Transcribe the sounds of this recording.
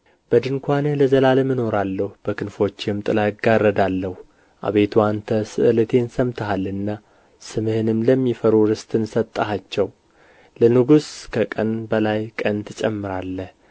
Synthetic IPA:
b̥əd̪ɨŋkʰʷanhləzəlalmɨno̞ɾalːəhub̥əkʰɨnfo̞t͡ʃːɪmt̪ʼɨlaɡarːəd̪alːəhu | ʔa̰βe̞t̪ʰuant̪ʰəsɨʔɨlɨt̪ʰe̞nsəmt̪ʰəɦalɨnːa | sɨmɨhɨnɨmləmːifəɾuɾɨst̪ʰʼɨnsət̪ʼːəɦat͡ʃːɛw | lənɨɡuskʰəkʼənbəlajkʼənt̪ʰɨt͡ʃʼɛmːɨɾalːəh

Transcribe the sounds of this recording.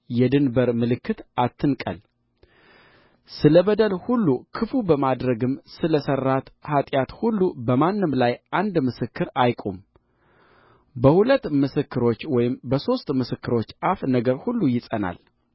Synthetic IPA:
jɛd̪ɨnbəɾmɨlɨkʰːɨt̪ʔat̪ʰːɨnkʼə̰l | sɨləbəd̪əlhulːukʰɨfubəmad̪ɾəɡɨmsɨləsərːat̪hat̪ʼjat̪hulːubəmanːɨmlajʔand̪mɨsɨkːɨɾajkʼum | bəhulət̪ːmɨsɨkːɨɾo̞t͡ʃːwɔjɪmbəso̞st̪ʼmɨsɨkːɨɾo̞t͡ʃːʔafnəɡəɾhulːujɪsʼəna̰l

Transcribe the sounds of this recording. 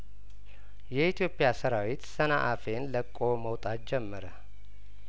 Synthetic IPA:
jɛit̪ʰjo̞pʼːɪjasəɾawit̪sənaʔafe̞nləkʼːo̞məwt̪ʼat̪̚d͡ʒɛmːəɾə

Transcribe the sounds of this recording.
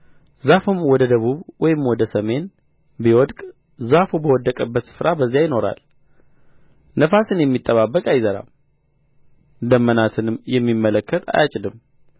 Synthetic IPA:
zafumwɔd̪əd̪əβuβwɔjɪmwɔd̪əsəme̞n | biwɔd̪kʼ | zafubəwɔd̪ːəkʼəbːət̪sɨ̥fɾabəzːijajɪno̞ɾa̰l | nəfasɨnjɛmːit̪ʼːəβabːəkʼajzəɾa̰m | d̪əmːənat̪ʰɨnɨmjɛmːimːələkːət̪ʰa̰jat͡ʃʼɪd̪ɨm

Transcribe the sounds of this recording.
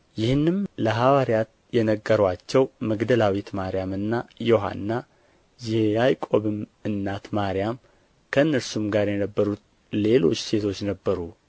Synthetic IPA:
jɪhɨnːɨmləɦawaɾijat̪ | jɛnəɡːəɾwat͡ʃːɛwməɡd̪əlawit̪maɾijamɨnːajoɦa̰nːa | jɛajkʼo̞βɨmɨnːat̪maɾijam | kʰəɨnːəɾsumɡaɾjɛnəbːəɾut̪ | le̞lo̞̰t͡ʃːse̞t̪ʰo̞t͡ʃːnəbːəɾu

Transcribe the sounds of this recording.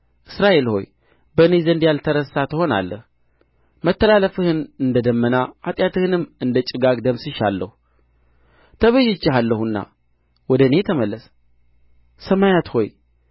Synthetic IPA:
ʔɨsɾaʔe̞lho̞̰j | bənezənd̪jalt̪ʰəɾəsat̪ʰɨho̞na̰lːə̰h | mət̪ːəlaləfɨhɨnɨnd̪əd̪əmːənaʔat̪ʼjat̪ʰɨhɨnɨmɨnd̪ət͡ʃʼɪɡaɡd̪əmsɨʃalːə̰hu | t̪ʰəβəʒɪt͡ʃːɪɦalːəhunːa̰ | wɔd̪əne̞t̪ʰəməlːəs | səmajat̪ho̞j

